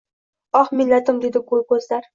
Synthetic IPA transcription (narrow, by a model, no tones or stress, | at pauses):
ɒχmɪlːat̪ɪmd̪e̞d̪ɪɡolˠkʰɵzlaɾ